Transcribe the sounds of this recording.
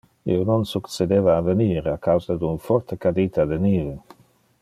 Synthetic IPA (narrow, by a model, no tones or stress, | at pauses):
ḭnɔnsukt͡sed̪evaːvəniːɾakawzad̪unfɔrt̪əkad̪it̪ʰad̪əniːve